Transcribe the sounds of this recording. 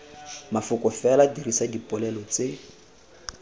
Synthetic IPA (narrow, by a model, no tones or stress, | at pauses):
mafʊkʼɔfɛladiɾisadipʼɔlɛlɔt͡se